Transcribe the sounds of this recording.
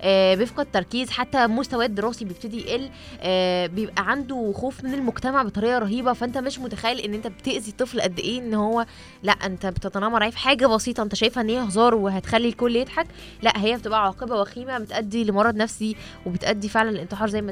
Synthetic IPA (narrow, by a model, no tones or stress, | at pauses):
ʔæbejefqɑd̪̚t̪ːɑɾˤkiːzħat̪ːæmost̪æwæːd̪ːeɾɑːsibejeb̚t̪ed̪iʔelː | ʔæbejebʔæʕand̪oxoːfmenelmoɡt̪æmaʕbet̪ˤɑɾejːɑɾˤɑɦiːbɑfæʔent̪æmeʃmot̪æxæjːelʔenːʔent̪æbet̪eʔzit̪ˤːeflʔæd̪ːeʔeːʔenːhowːæ | læʔʔent̪æbet̪et̪ˤnɑmːɑɾˤʕaːefħaːɡæbɑsiːt̪ˤɑʔent̪æʃæjfæʔenːheːæhzˤɑːɾˤweɦæt̪xælːilkolːjed̪ħak | læʔɦejːæbet̪ebʔæʕwɑːqebæwæxiːmæbet̪ʔæd̪ːilemowɑrˤːɑd̪næfsi | webet̪ʔæd̪ːifeʕlænelʔent̪eħɑːɾˤzæjːmæ